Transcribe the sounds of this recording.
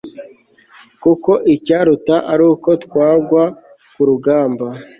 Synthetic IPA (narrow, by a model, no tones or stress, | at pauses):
kuko̞ʔicaːɾutaʔaɾuːko̞tkwaːɡwa | kuɾuɡaːmba